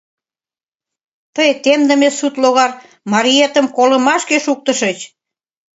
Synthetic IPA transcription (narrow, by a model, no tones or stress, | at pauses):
t̪əjt̪emd̪ə̆mesut̪loɣɑr | mɑɾiet̪ə̆mkolə̆mɑʃkeʃuk̚t̪ə̆ʃə̆t͡ɕ